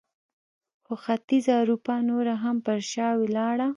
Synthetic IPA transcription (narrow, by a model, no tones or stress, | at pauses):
xoxat̪izaɾupanoɾaɦampəɾʃɑwelɑɽa